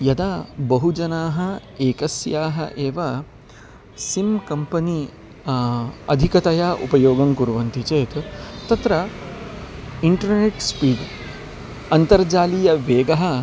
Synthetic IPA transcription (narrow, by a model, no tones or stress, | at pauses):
jɐd̪aːbɐɦud͡ʒɐnaːɦɐ | eːkɐsjaːɦɐ̰ʔeːʋɐ | simkɐmpɐni | ɐ̰d̪ʱikɐt̪ɐjaːʔupɐjoːɡɐŋkuɾʋɐnt̪it͡ʃeːt̪t̪ɐt̪ɾɐ | iɳʈɐɾneʈspiːɖ | ɐnt̪ɐɾd͡ʒaːliːjɐʋeːɡɐɦɐ